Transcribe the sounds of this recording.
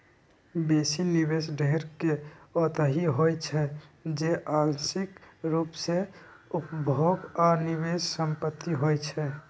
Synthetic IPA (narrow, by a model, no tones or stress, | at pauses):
besinibesɖʱeɾkeɔt̪əɦiɦojt͡ʃʰɛd͡ʒeʔansikɾupse | upbʱoɡɔːɾniβessəmpət̪ːiɦojt͡ʃʰɛ